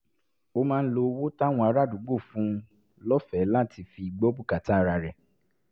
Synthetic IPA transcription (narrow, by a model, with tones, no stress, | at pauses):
o˧mãː˦˧n̩˦lo˧wo˦ta˦˨w̃ɔ̃˧a˧˦ɾa˦˨du˨˦ɡ͡bo˦˨fũ˦ | lɔ˦fɛ˨˦la˦˨ti˧fi˨i˨ɡ͡bɔ˦bu˦˨ka˨ta˦˨˧ɾa˧˨ɾɛ˨